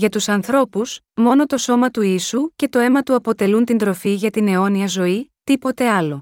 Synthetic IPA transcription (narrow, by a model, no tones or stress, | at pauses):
ʝɐt̪usɐnθɾo̞pus | mo̞no̞t̪o̞so̞mɐt̪uisuce̞t̪o̞e̞mɐt̪uɐpo̞t̪e̞lunt̪ind̪ɾo̞fiʝɐt̪ine̞o̞niɐzo̞it̪ipo̞t̪e̞ɐlo̞